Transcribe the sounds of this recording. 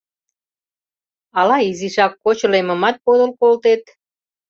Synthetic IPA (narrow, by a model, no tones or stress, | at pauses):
ɑlɑiziʃɑkːot͡ɕɤlemə̆mɑt̪̚pod̪əlkolt̪et̪̚